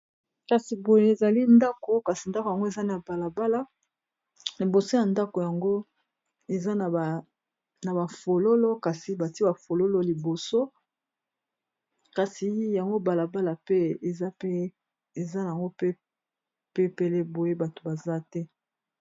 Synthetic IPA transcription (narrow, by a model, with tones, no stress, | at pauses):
ka˨si˨bo˨je˦e˨za˨li˦nda˦ko˦ka˨si˨nda˦ko˨ja˨ŋɡo˦e˨za˦n˦a˨ba˨la˨ba˦la˦ | li˨bo˨so˦ja˨nda˦ko˨ja˨ŋɡo˦ | e˨za˦n˨ | na˨ba˨fo˨lo˦lo˦ka˨si˨ba˨ti˦a˨fo˨lo˦lo˦˨li˨bo˨so˦ | ka˨si˨ja˨ŋɡo˦ba˨la˨ba˦la˨pe˦e˨za˦pe˦ | e˨za˦na˨ŋɡo˦pe˦ | pe˦pe˨le˦bo˨je˦ba˨to̥˨ba˨za˦tɛ˦